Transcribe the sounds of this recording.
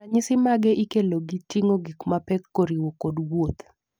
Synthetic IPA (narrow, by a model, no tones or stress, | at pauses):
aɲɪsɪmaɡɛʔikeloɡitiŋoɡikmapɛkːoɾiwokodwot̪